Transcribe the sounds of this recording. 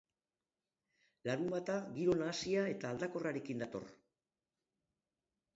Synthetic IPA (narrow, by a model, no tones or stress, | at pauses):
laɾumbat̪aɣiɾo̞naːsiae̞t̪aːld̪ako̞raɾe̞kind̪at̪o̞̰r